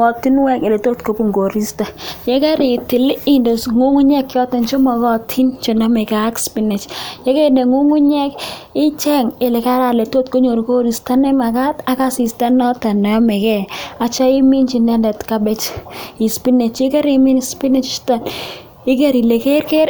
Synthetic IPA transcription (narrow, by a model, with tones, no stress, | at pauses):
ŋɔ˨ti˦nwɛ˦ke˨le˨to˦tko˨pu˦ŋɡo˨ɾi˦sta˨je˦kɛ˦ɾɪ˨tɪ˨li˦ndo˨sŋu˦ŋu˦ɲɛ˦kːjɔ˦ta˨nt͡ʃo˦mɔ˨kɔ˦tʰi˦nt͡ʃo˨nɔ˦me˨ka˨˦kspi˦nɛ˨t͡ʃje˦ke˦ne˨ŋu˦ŋu˦ɲɛ˦k | ɪ˦t͡ʃɛ˦ŋe˨le˨ka˦ɾa˨le˨to˦tko˦ɲo˨ɾko˦ɾi˨sta˦nɛ˦ma˨ka˦ta˦ka˦si˨sta˦nɔ˦ta˨nɔ˨jɔ˦me˨kɛ˦a˨t͡ʃa˦ɪ˦mi˦nt͡ʃi˦ndɛ˦ndɛ˨tka˦bɛ˦t͡ʃi˨spi˦ne˨t͡ʃe˦ke˦ɾe˦mi˦nspi˦ne˦t͡ʃta˨n | ɪ˦ke˦ɾi˨le˨ke˦ɾke˦ɾ